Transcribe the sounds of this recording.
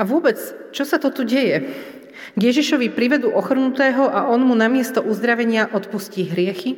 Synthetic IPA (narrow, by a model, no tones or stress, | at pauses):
aʋʊɔbɛt͡st͡ʃɔsat̪ɔt̪uɟɛjɛ | ɡjɛʒiʃɔʋipɾiʋɛd̪uːʔɔxr̩nut̪ɛːɦɔʔaɔnmunamɪɛst̪ɔʔuzd̪ɾaʋɛɲɪaʔɔt̪pusciːɦɾɪɛxi